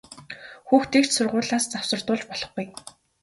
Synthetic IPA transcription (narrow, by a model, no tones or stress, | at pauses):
xuːxt̪ʰekt̪sʊrʁʊːɮaːst͡sawsə̆r̥t̪ʊːɮt͡ɕpɔɮɞ̆χɡuj